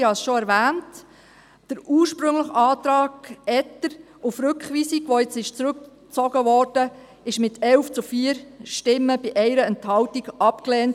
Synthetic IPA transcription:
hɑsʃɔæɾʋæːnt | d̥əɾuːɾʃpɾɵŋləχɑːt̪ɾɑːɡɛtːəɾ | ufɾɵkχʋiːsiɡʋɔɪt͡sɪʃt͡sɾʉk | t͡sɔɡəʋɔːɾd̥ə | ɪʃmɪtʰɛwft͡sufiːəɾʃtɪmːəb̥iʔɛɪɾəɛnthɑwtiɡʔɑpkleːnt

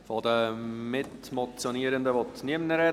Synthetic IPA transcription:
fɑdəmɪtmɔt͡sjoniəɾəndəvɔtniəmnəɾɛ

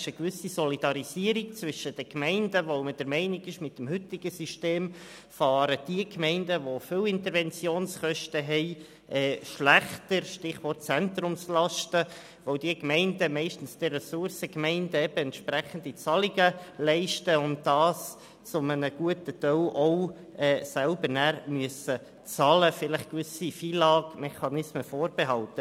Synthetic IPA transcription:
ʃəkvʏsisɔlid̥ɑɾiziəɾik̚t͡sʋʏʃəd̥əkmɛɪndəʋoʊməd̥əɾmɛɪnɪɡɪʃmɪtːəm̩hʏt̪ɪɡ̥əsiʃteːm | fɑːɾəd̥iəkmɛɪndəʋofɪwɪntəɾvɛnt͡sjoːnsχœʃtəɦɛɪ | ʔɛːʃlæχtəɾʃtɪχʋɔrt̚t͡sɛnt̪ɾʊmslɑʃtə | ʋoʊd̥iəkmɛɪndəmɛɪʃtən̩sd̥ɛrɛsʊɾsəkmɛɪndəɛb̥əɛntʃpɾæχən̩d̥it͡sɑliɡəlɛɪʃtəʊnt̚d̥ɑːs | t͡sʊmənəɡ̥uətətœwʔɔʊ | ɛːsælbəɾnæːɾmyəsə | t͡sɑːləfɪləχkvʏsifiːlɑːɡmɛχɑnɪsməfoːɾb̥eɦɑltə

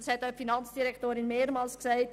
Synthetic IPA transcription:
shɛtaʊfinɑnt͡sd̥iɾɛktoːɾɪnmeːɾmɑːlsksɛɪt

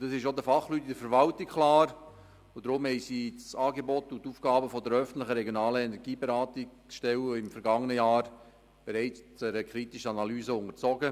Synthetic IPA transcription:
d̥ɑsɪʃod̪əfɑχlytidəɾfəɾvɑltikkʰlaːɾ | ʊd̥ɾʊmhɛjsisɑːɡebɔtːʊntuːfɡ̥ɑːbəfɔdəɾœfən̩tlɪχəɾɛɡjonɑːləɛnɛɾɡiːbeɾaːtɪk | ʃtɛlɪmfəɾɡɑŋənəjaːɾ | b̥eɾɛɪt͡st͡sɛɾəkɾitɪʃəɑnɑlyːzəʊŋəɾt͡sɔɡə

